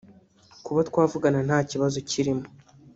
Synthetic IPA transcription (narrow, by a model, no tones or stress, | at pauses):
kuβatkwaːvuɡanan̥haːciβazociɾimo